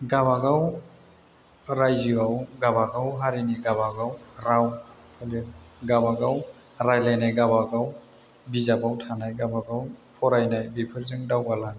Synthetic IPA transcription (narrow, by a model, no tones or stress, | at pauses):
ɡaβaɡaw | ɾajziawɡabaɡawɦaɾiniɡaβaɡawɾawpʰaliɡabaɡaw | ɾajlajnajɡabaɡaw | bizabawtʰanajɡabaɡawpʰɔɾajnajbipʰɯɾzɯŋdawɡalan